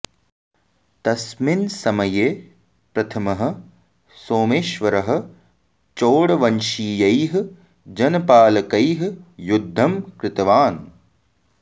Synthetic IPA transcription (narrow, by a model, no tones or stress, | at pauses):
t̪ɐsminsɐmɐjeː | pɾɐt̪ʰɐmɐɦɐ̆ | soːmeːʃʋɐɾɐɦɐ̆ | t͡ʃoːɽɐʋɐnʃiːjɐjɦ̆ | d͡ʒɐnɐpaːlɐkɐjɦjud̪ʱːɐmkɾɪt̪ɐʋaːn